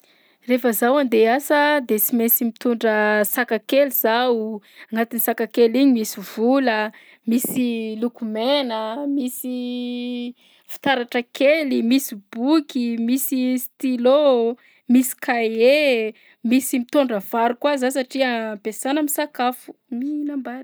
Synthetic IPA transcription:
refəzawand̪easəd̪et͡simesimit̪uɳɖ͡ʐəsakakeliz̥awaŋɡat̪inisakakeliɲimisivulə | misilukumenəmisi | fi̥t̪aɾaʈ͡ʂəkʰelimisib̥ukʲimisist̪ilo | misi̥kae | misimit̪oɳɖ͡ʐəv̥aɾukwazasaʈ͡ʂiəampesanəmisakafu̥minamban

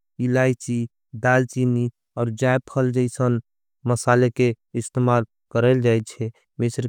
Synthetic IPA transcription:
ilait͡ʃi | d̪alt͡ʃini | ɔːɾd͡ʒaepʰəld͡ʒəɪsən | məsalekeɪst̪emal | kəɾəld͡ʒajt͡ʃʰɛ | mɪsɾ

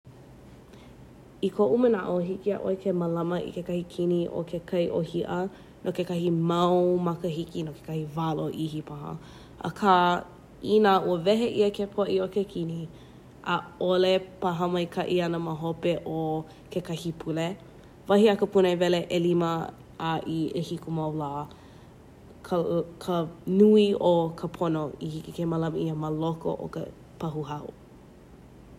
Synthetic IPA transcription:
ikʰoʔumənaʔoɦikia̰ʔoekʰeməlɐməʔḭkekɐhikʰiniʔo̰kʰekʰɐjʔohiʔə | nʔokekɐɦimɐwmɐkəhikinokʰe̥kʰɐhivaloʔihipʰahə̰ | ə̰kʰa | inaʔuəvɛɦeʔiəkʰepʰoʔiokekʰini | ʔəolepaɦəmɐjkʰɐʔiɐnəməɦopeʔo | kʰekɐhipʰule | vɐɦiəkəpunoevɛleʔelimə | aʔiehikumɐwlaː | kʰkʰənuiokʰəpʰonoihikikeməlɐməʔiəməloko̰ʔo̰kə̰ | pʰɐɦuɦɐṵ

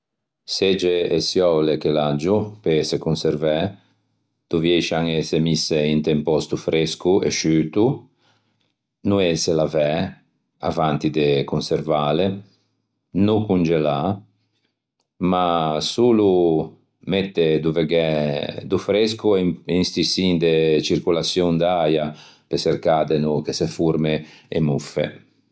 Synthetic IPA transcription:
sed͡ʒeesjɔwlekelad͡ʒupesekunseɾvɛ | d̪̥uvjɛjʃaŋesemiseint̪empɔst̪ufɾeskuḛʃyːt̪u | nueselavɛ | a̰vant̪id̪ekunseɾvale | nukund͡ʒela | masuːlu | met̪ːed̪uveɡɛd̪ufɾeskuinst̪isind̪et͡ʃiɾkulasjund̪aja | peseɾkaːd̪enukesefuɾmeemufḛ

